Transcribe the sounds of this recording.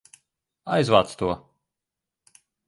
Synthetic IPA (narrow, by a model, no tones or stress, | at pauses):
ajzva̰ːt̪st̪uɔ